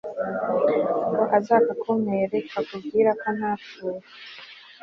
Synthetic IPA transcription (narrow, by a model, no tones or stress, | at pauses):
ŋɡoʔazaːkakʰomeɾekakubɡiːɾakon̥aːtue